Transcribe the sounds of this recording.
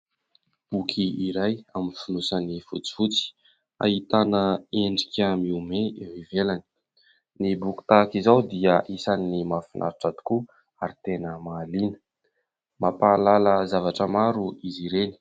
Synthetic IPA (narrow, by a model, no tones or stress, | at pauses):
b̥ukʰiiɾajaminfunusanifut͡si̥fut͡si̥ | a̰ɦit̪anəeɳɖ͡ʐikʲamiumeewivelani̥ | nibuki̥t̪akizawd̪iəʔisaninimafinʔa̰ɾiʈ͡ʂad̪u̥ku | aɾit̪enəmaːlinə̥ | mapaːlaləzavaʈ͡ʂəmaɾuiziɾeni̥